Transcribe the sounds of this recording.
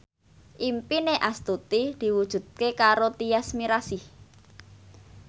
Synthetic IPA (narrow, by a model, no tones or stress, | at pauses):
ʔimpineʔast̪ut̪id̪̥i̤wud̥ʒ̥ṳd̪̚kekaɾot̪iasmiɾasi